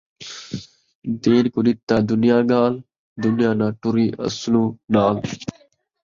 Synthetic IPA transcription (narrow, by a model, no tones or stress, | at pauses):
d̪iːnkuɗɪt̪ːaːd̪ʊnɪjaːɡaːl | d̪ʊnjaːnãːʈʊɾiːə̰slũːnaːl